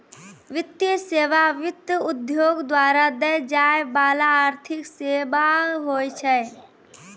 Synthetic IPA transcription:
ʋɪt̪ːjəseːʋaʋɪt̪jʊd̪joːɡd̪waːɾad̪ɛd͡ʒaːebaːlaːɾt̪ʰɪkseːbaɦoːjt͡ʃʰɛ

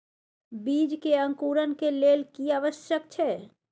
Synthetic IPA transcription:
biːd͡ʒkeə̃ŋkuːɾənkeleːlkiaːʋəʃjək̚t͡ʃʰɛː

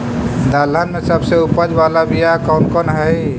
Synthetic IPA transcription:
d̪alənmesəbseupəd͡ʒbalabʱijakɔʊnkɔnɦəj

